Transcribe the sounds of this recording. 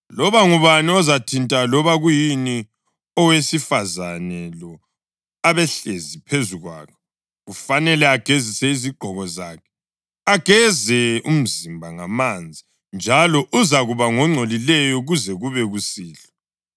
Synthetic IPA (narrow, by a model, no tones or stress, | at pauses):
lɔβaŋuβaniɔzatʰintʼalɔβaɣujini | ɔwesifazanɛlɔ | aβɛɬezipʰezuɣwa̰ːkʰɛ | ɣufanɛlɛaɡ̥ʱezisɛiziɡ͡ǃʱɔɣɔzaːkʰɛ̥ | aɡ̥ʱɛzɛum̩zimbʱaŋamand͡zʱi | nd͡ʒʱalɔʔuzaɣuβaŋɔŋ͡ǀʱolilɛjɔɣuzɛɣuβɛɣusiːɬɔ̥